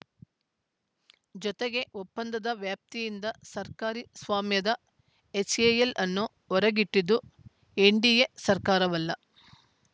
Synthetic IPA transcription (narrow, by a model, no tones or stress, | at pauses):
d͡ʒɔt̪eɡe̞ʔopːɐnd̪ɐd̪ɐʋjaːp̚t̪ijind̪ɐsɐɾkaːɾisʋaːmjɐd̪ɐ | et͡ʃejelʔɐnːu | ɔɾɐɡiʈːid̪u | eɳɖijesɐɾkaːɾɐʋɐlːɐ